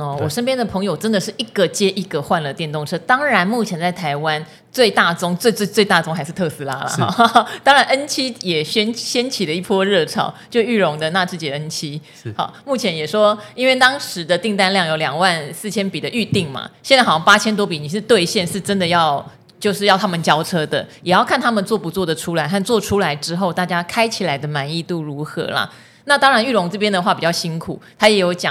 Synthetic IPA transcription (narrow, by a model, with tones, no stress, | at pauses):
ɔ˧˩wɔ˨˩ʂə˥npjɛ˥nd̪ə˨pʰɤ˧˥ŋjo˨˩ʊʈ͡ʂə˦˥nd̪ə˨ʂɻ̩˥˩i˥˩ɡə˨˩t͡ɕjɛ˥ʔi˥˩ɡə˨xwa˥˧nlə˨˩t̪jɛ˥˧nt̪ʊ˥˨˩ŋʈ͡ʂʰɤ˥t̪ɑ˥ŋɻa˧˥nmu˥˩t͡ɕʰjɛ˧˥nt͡sa˥˩ɪt̪ʰa˧˥ɪwa˦n | t͡swe˥˧ɪt̪a˥˩t͡sʊ˥ŋt͡se˥˧˥t͡swe˥˧ɪt̪a˥˩ʈ͡ʂʊ˥ŋxa˥ɪʂɻ̩˥˧t̪ʰɤ˥˧sɹ̩˧˥la̰˥lə̰˨xt̪ɑ˥ŋɻa˧˥nə˥nt͡ɕʰi˥jɛ˨˩ɕɛ˥nɕjɛ˥nt͡ɕʰi˨˩lə˦i˥˩pʰwɔ˥ɻɤ˥˩ʈ͡ʂʰɑ̰˨˩˦ʊt͡ɕjʂy˥˩ɻʊ˧˥ŋd̪ə˧na˥˧ʈ͡ʂɻ̩˥˩t͡ɕi˨˩˧ə˦˥nt͡ɕʰi˥ | xɑ̰˨˩ʊmu˥˩t͡ɕʰjɛ˧˥njɛ˨˩ʂwɔ˥i˥nwe˥˩ɪt̪ɑ˥ŋʂɻ̩˧˦d̪ə˧t̪i˥˧ŋt̪a˥˧nljɑ˥˩ŋjo˨˥ʊljɑ˨˩ŋwa˥˧nsɹ̩˥˩t͡ɕʰjɛ˥npi˨˩d̪ə˦ʔy˥˧t̪i˥˩ŋma̰˩ɕjɛ˥˧nt͡sxɑ˥˩pa˥t͡ɕʰjɛ˥nt̪wɔ˥pi˨˩ni˨˩ʂɻ̩˥˧t̪we˥˧ɪɕjɛ˥˧nʂɻ̩˥˩ʈ͡ʂə˦˥nd̪ə˨jɑ˥˩ʊ | t͡ɕjo˥˧ʊʂɻ̩˥˧jɑ˥˩ʊt̪ʰa˥mə˨nt͡ɕjɑ˥ʊʈ͡ʂʰɤ˥d̪ə̰˨jɛ˨˩jɑ˥˩ʊkʰa˥˩nt̪ʰa˥mə˨nt͡swɔ˥˩pu˨˩t͡swɔ˥˩d̪ə˩ʈ͡ʂʰu˥la˧˦ɪxa˥˧nt͡swɔ˥˨ʈ͡ʂʰu˥la˧˦ɪʈ͡ʂɻ̩˥xo˥˧ʊt̪a˥˩t͡ɕja˥kʰa˥ɪt͡ɕʰi˨˩la˧˥ɪd̪ə˨ma˧˥ni˥˧t̪u˥˩ɻu˧˥xɤ̰˧˥lɐ̰˨ | na˥˩t̪ɑ˥ŋɻa˧˦ny˥˩ɻʊ˧˥ŋt͡sɤ˥˩p̬jɛ˥nd̪ə˨xwa˥˩pi˨˩t͡ɕjɑ˥˩ɕi˥nkʰṵ˨˩˦t̪ʰa˥jɛ˨˧˥jo˧˥ʊt͡ɕjɑ̰˨˦